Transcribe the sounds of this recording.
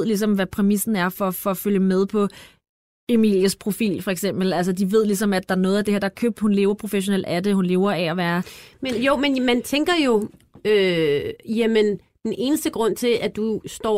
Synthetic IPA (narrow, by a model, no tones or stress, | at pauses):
ð̰ˠlis̬ɒ̽mʋæpʰʁɛmisn̩æɐfɒfɒføljəmeð̞ˠpʰɒ̽ | emḭljəspʰʁo̝fḭːlfɒ̽eɡ̥sem̰b̥l̩æls̬əd̥iʋe̝ð̞̰ˠlis̬ɒ̽mæd̥ɑ̈æɐnɔ̽ːð̩ˠæd̥e̝heɐ̰d̥ɑ̈kʰøb̥̚d̥hunle̝ːʊɐpʰʁo̝feɕ̬o̝nḛl̰d̥æd̥e̝hunle̝ːʊɐæɒʋæːɐmenjomenmænt͡sʰeŋɡ̥ɐjo̝ | ø | jæmənd̥ene̝ːnəsd̥əɡ̥ʁɔ̽n̰t͡sʰe̝æd̥usd̥ɒ̰